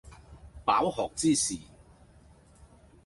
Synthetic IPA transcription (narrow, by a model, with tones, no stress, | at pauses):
pa̰ː˨˥whɔː˨k̚t͡siː˥˧siː˨˩